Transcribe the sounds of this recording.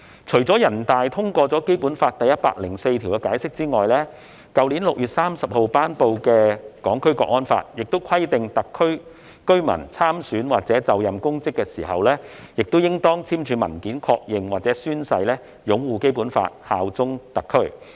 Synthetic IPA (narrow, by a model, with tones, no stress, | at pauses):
t͡ʃʰɵ˨˩ɥt͡sɔː˨˥jɐ˨˩nt̪aː˨jt̪ʰʊ˥ŋkʷɔː˧t͡sɔː˨˥ke˥jpuː˨˥nfaː˧t̚t̪ɐ˨jːɐ˥t̚pa̰ː˧k̚lɪ˨˩ŋse˧jt̪ʰi˨˩kɛ˧kaː˨˥jsɪ˥k̚t͡siː˥ŋɔː˨jlɛː˥ | kɐ˨˧wliː˨˥nlʊ˨k̚jyː˨t̚saː˥msɐ˨p̚ho˨wpaː˥npo˧wkɛː˧kɔː˨˥ŋkʰɵ˥ɥkɔ̰ː˧˥kŋɔː˥nfa̰ː˧t̚jɪ˨k̚t̪o˥wkʰɐ˥jt̪ɪ˨ŋt̪ɐ˨kʰːɵ˥ɥ | kɵ˥ɥmɐ̰˨˩nt͡sʰaː˥msyː˨˥nwaː˨k̚t͡sɛː˨˥t͡sɐ˨wjɐ˨mkʊ˥ŋt͡sɪ˥kːɛː˧siː˨˩hɐ˨wlɛː˥jɪ˨k̚t̪o˥wjɪ˥ŋt̪ɔː˥ŋt͡sʰiː˥mt͡ʃʰyː˨˧mɐ̰˨˩nkiː˨˥nkʰɔ̰ː˧k̚jɪ˨ŋwaː˨˩t͡sɛ˨˥syː˥nsɐ˧jlɛː˥ | jʊ˨˥ŋwuː˨˧ke˥jpuː˨˥nfa̰ː˧t̚ha̰ː˧wt͡sʊ˥ŋt̪ɐ˨kʰːɵ˥ɥ